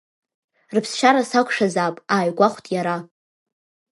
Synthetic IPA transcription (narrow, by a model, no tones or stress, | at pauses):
rɨpʰsʃaɾasakʷʰʼʂazaːpʼaːjɡʷaχʷtʼjaɾa